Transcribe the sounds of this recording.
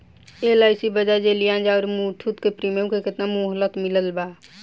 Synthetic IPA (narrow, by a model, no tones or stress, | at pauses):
elaɪsibəd͡ʒad͡ʒelijãːnd͡ʒaɔɾmuːʈʰut̪kepɾiməmkekɪt̪namuɦlət̪mɪləlbaː